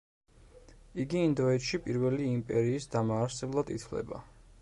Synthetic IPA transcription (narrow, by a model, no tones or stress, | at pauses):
iɡiːnd̪ɔɛt̪ʃipʼiɾvɛliːmpʼɛɾiːsd̪amaːɾsɛblˠad̪it̪ʰlɛ̰ba̰